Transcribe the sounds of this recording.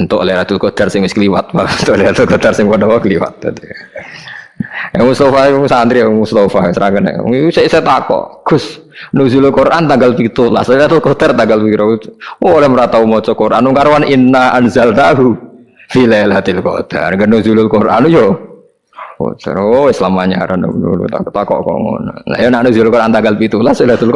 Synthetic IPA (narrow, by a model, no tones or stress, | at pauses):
nt̪oʔlɛɾat̪ɪlkod̪̥arsɪŋmiskiliwat̪̚pant̪olɛɾat̪ɪlkɔd̪̥arsɪŋpɔdɔwakəliwa̰t̪̚ːat̪i | a̰must̪ɔfasant̪ɾijɔmust̪ofasəɾakənɛ̰sɛsɛt̪akɔ̰ʔɡ̥ʊsnuzulʊlkoɾʔant̪aŋɡalpit̪ʊla̰salat̪ɪlkod̪̥art̪aŋɡalpikɾɔolɛməɾat̪aumɔt͡ʃɔkoɾʔanukaɾwaninːaɦanzalt̪aɦu | filɛlat̪ɪlko̰t̪a̰rkənuzulʊlkoɾʔa̰nujo | o̰t͡ʃa̰ɾowesəlamaɲa̰ɾan̰lṵlṵt̪a̰t̪akɔ̰ʔkɔ̰ŋɔ̰na̰la̰jɔnaʔnuzulʊlkɔɾʔant̪aŋɡalpit̪ulasɛlat̪ɪlk